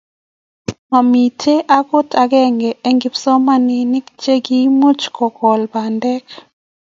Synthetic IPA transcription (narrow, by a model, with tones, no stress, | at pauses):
ma˨mi˨tʰe˦ʔa˦ko˦tʰa˨ɡɛ˦ŋɡɛ˨e˦ŋɡɪ˦psɔ˦ma˦ni˨nɪ˦kt͡ʃe˦ɡi˦mu˦t͡ʃkɔ˨kɔ˨lba˨ndɛ˦k